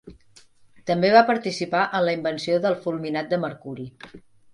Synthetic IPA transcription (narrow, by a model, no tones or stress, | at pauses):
t̪əmbeβapəɾt̪isipaʔənləimbənsioðəlˠfulˠminat̪̚d̪əməɾkuɾi